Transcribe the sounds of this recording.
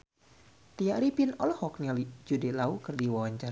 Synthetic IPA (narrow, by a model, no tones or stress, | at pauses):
t̪iaʔɾipinɔlhɔk̚nialid͡ʒudɛlaukɨrdiwawaɲt͡ʃaɾ